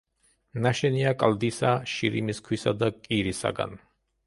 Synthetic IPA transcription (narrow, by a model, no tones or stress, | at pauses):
naʃɛniakʼld̪isaʃiɾimiskʰwisad̪akʼiɾisa̰ɡa̰n